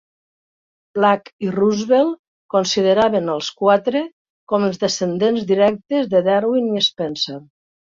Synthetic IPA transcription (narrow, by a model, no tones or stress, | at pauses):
b̥lakiruzβelˠ | konsiðeɾaβenəlˠskwat̪ɾe | kɔməlˠzðesend̪enzðiɾɛk̚t̪ezðeðɛɾwiniespɛnser